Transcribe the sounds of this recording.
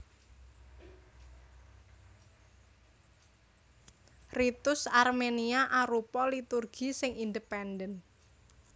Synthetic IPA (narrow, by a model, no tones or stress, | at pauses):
rit̪ʊsarmeniaʔaɾupɔlit̪urɡ̥isɪŋind̪əpɛndən